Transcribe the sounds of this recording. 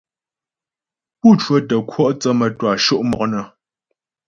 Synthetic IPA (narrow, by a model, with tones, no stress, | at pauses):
pu˦˨twə˦tə˨kʰwɔ˦ʔt͡sə˦mə˨twa˨ʃo˦ʔmɔ˨k̚nə˨